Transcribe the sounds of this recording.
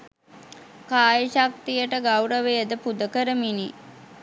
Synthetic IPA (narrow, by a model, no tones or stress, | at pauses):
kaːjəʃak̚t̪ijəʈəɡawɾəʋejəd̪əpud̪əkəɾəmini